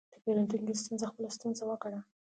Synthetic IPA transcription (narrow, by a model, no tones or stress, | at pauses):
d̪̥əpeɾant̪unɡest̪unzaxpəlast̪unzawəkaɽa